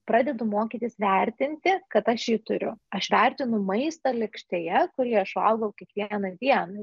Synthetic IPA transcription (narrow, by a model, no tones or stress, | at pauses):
pɾɑːd̪ʲɛd̪ʊmoːkʲit̪ʲisʋʲɛɾʲt̪ʲɪnʲt̪ʲɪkɐt̪ɐʃjiːt̪ʊɾʲʊ̰ɐʃʋʲɛɾʲt̪ʲɪnʊmɐɪst̪ɐlʲɛkʃʲt̪ʲejɛkʊɾʲiɛɐʃʋɐ̰lˠɡɐʊkʲɛkʋʲiɛɛnɐd̪ʲiɛnɐ